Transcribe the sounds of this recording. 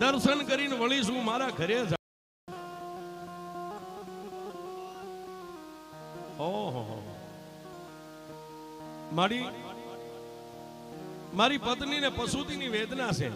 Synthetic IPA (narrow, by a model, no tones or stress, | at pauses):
d̪əɾsənkəɾinʋəɭis̬ũːmaːɾaːɡʱəɾed͡ʒ | ɦoɦoɦo̰ | maːɾi | maːɾipət̪ninepəsut̪iniʋeːd̪nasʰḛː